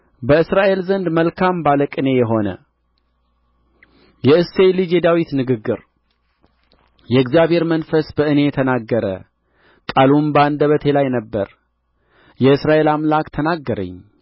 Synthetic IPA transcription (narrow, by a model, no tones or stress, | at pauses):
bəɨsɾaʔe̞lzənd̪məlkʰambaləkʼɨne̞jɛɦo̞nə̰ | jɛɨse̞lɨd͡ʒed̪awit̪nɨɡɨɡːɨɾ | jɛɨɡzjaβhe̞ɾmənfəsbəʔɨne̞t̪ʰənaɡːəɾə̰ | kʼalumbəand̪əβət̪ʰe̞lajnəbːəɾ | jɛɨsɾaʔe̞lamlakt̪ʰənaɡːəɾə̰ɲː